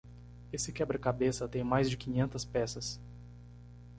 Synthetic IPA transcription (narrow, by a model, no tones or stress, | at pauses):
esɪkɛbɾɪkabesɐt̪ẽj̃majzd͡ʒɪkĩɲẽnt̪ɐspɛsɐs